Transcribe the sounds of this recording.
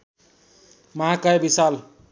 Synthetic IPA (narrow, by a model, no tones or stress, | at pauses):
mʌɦakajebisal